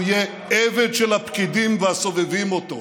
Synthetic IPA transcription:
je | eved̪ʃelhapkid̪imveaso̞vevimot̪o̰

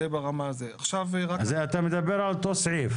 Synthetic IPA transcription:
ebaʁamazeaχʃavʁazeat̪amed̪abːeɾʕalt̪osʕiːf

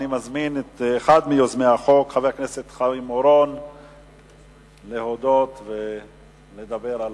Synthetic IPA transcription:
nimazminet̪eχad̪mijozmeaχo̞kχaveakneset̪χaimoɾo̞n | lehod̪o̞t̪ve | le̞d̪abeɾal

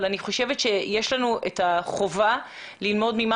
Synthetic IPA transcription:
laniχo̞ʃevetʃejeʃlanuʔetaχo̞va | lilmo̞dmima

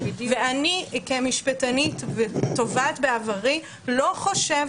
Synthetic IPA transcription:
dveanikemiʃpat̪anit̪veto̞vatbeavaʁi | lo̞χo̞ʃev

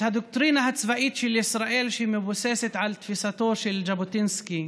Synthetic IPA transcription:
had̪ʊk̚t̪ɾiːnaɦat̪svaʔiːt̪ʃilɪsɾˤɑʔiːlʃimɪbʊseːsɪt̪ʕalt̪fisat̪oːʃild͡ʒabʊt̪ɪnski

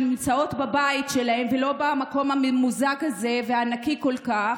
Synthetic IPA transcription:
imt͡sao̞tbabaitʃelahemvelo̞bamako̞mamuzaɡaze̞vehaːnakiko̞lka

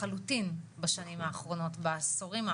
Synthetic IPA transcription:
alutinbaʃanimaːχʁo̞no̞tbasoʁima

